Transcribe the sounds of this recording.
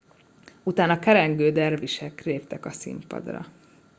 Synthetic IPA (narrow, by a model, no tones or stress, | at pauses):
ut̪aːnɒkɛɾɛŋɡøːd̪ɛrviʃɛkreːpt̪ɛkɒsḭmpɒ̰d̪rɒ̰